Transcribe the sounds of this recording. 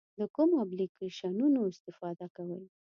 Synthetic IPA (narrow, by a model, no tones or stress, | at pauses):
d̪əkumoablikeʃɑnunoɪst̪ɪfɑd̪akawəl